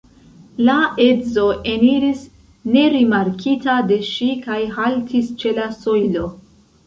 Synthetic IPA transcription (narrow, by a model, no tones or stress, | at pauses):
laezo̞ʔe̞niɾis | ne̞ɾimaɾkʰitade̞ʃikajɦaltʰist͡ʃe̞lasojlo̞